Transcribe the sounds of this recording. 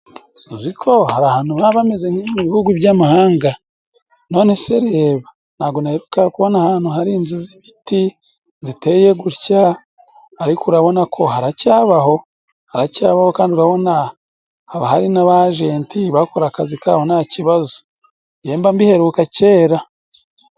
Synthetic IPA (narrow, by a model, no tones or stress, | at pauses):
zikʰo̞haɾahaːnuβaβamezeŋ̥iimuβihuɡuβjaːmahaːŋɡa | no̞ːne̞se̞ɾe̞ːβa | naɡonaheɾukakuβo̞nahaːn̥huɦaɾiːnzuziβiti | zite̞je̞ɡuɾcaː | ɾikuɾaβo̞nakʰo̞haɾacaːβaho̞ | haɾacaːβahokaːndiuɾaβo̞na | haβahaɾinaβaʒeːntiβakoɾakazikaːho̞naciβazo | je̞ːmbambihe̞ɾuːkace̞ːɾa